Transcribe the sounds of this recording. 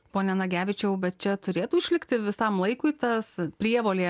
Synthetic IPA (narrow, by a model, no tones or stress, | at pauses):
poːnʲɛnɐɡʲæːʋʲɪt͡ʃʲɛʊbʲɛt̪̚t͡ʃʲɛt̪ʊɾʲeːt̪uːɪʃʲlʲɪkt̪ʲɪʋʲɪsɐmlˠɐɪkʊɪt̪ɐspʲɾʲiɛʋoːlʲeː